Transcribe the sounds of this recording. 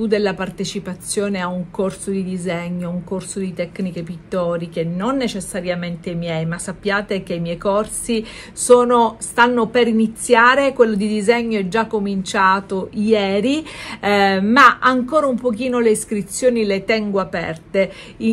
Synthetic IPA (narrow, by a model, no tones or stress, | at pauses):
ud̪elːapart̪et͡ʃipat̪sːjoːneauŋkorsod̪id̪izɛɲːouŋkorsod̪it̪ɛkːnikepit̪ːɔːɾik̟enonːet͡ʃesːaɾjament̪emjɛjmasːapːjaːt̪ek̟eimjɛjkorsi | soːnost̪anːopeɾinit̪sːjaːɾekwelːod̪id̪izɛɲːoɛd͡ʒːakːomint͡ʃaːt̪ojɛːɾi | maʔaŋkoːɾaumpokiːnoleiskɾit̪sːjoːnilet̪ɛŋɡoapɛ̰rt̪e | i